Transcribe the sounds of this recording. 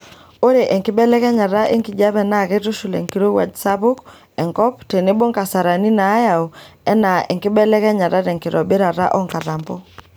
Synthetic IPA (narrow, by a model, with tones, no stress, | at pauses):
o˦ɾe˨ʔɛ˨ŋkɪ˦ɓɛ˦lɛ˦kɛ˦ɲa˨ɾa˦ʔe˦ŋki˨d͡ʒa˦βɛ˦na˦˨ke˦tu˦ʃu˨lɛ̰˨ŋki˦ɾo˦wa̰˨d͡ʒsa˦βu˦k | ɛ˨ŋkɔ˦pte˨ne˦bo˦ŋka˨sa˨ɾa˨ni˦naː˨˦ja˨u˨ɛ˦na˨ʔɛ˨ŋkɪ˦ɓɛ˦lɛ˦kɛ˦ɲa˨ɾa˦ɾɛ˨ŋkɪ˨ɾɔ˨be˦ɾa˨ɾa̰˦ʔɔ˦ŋka˨ɾa˨mbɔ˦